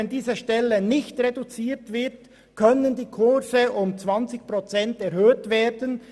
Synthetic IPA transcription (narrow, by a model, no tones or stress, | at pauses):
ɛndiːzəʃtɛlːənɪçtʁedut͡siːʁtvɪt | kʰœnəndiːkʰʊsəʔʊmt͡svɑnt͡sɪçpʁot͡sɛntɛʁhøːtveːdən